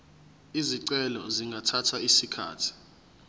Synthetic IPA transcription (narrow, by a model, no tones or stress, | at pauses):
iziǀɛlɔziŋɡʱatʰatʰaisikʰa̰ːtʰi̥